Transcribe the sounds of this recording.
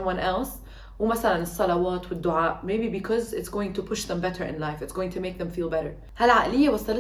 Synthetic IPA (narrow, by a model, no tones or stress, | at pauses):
mwʌ̃nʔɛls | wɪmaθalanɨsˤːɑlɑwaːt̪wɪd̪ːʊʕaːʔmejbibɪkʰɔzɪtsɡ̥oːjɪ̃ŋt̪ʊpʰʊʃðɛ̃mbɛɾə˞ʔɪ̰nlaɪfɪtsɡ̥oːwɪ̃ŋt̪ʰumeːk̚ðɛ̃mfiːlˠbɛɾə˞ | halʕaːʔɪlɪjːawɑsˤːɑl